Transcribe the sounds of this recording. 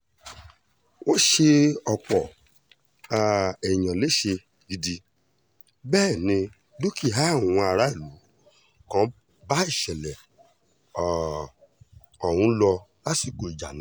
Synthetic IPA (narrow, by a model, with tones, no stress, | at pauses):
o˦ʃe˧ɔ˧k͡pɔ˨ | a˨ɛ˨j̃ã˨le˨˦ʃe˧ | ɡi˧di˧ | bɛː˦˨nĩ˧ | do˦ki˦˨ɦã˦˨ũ˨˧˦a˧ɾa˨˦i˦˨lu˨˦ | kã˨˦ | ba˦i˦˨ʃɛ˨lɛ˨ | ɔ˨w̃ũ˨˦lɔ˧ | la˦si˦˨ko˨i˨d͡ʒa̰˨ñ˨˦